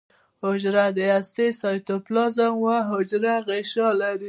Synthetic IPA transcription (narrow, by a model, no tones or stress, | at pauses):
hʊd͡ʒɾad̪əast̪esɑjt̪oplɑzaŋɡwaɦʊd͡ʒɾaɣeʃɑlaɾi